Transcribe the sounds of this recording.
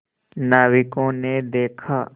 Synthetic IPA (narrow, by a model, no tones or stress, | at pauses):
naːʋɪkõned̪eːkʰaː